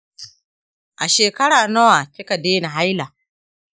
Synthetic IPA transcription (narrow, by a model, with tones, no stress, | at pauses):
ʔa˨ʃeː˨kɐ˦ɽaː˨nɐ˦wa˨tɪ˦ka˨deː˦ni˨ɦa˦jla˨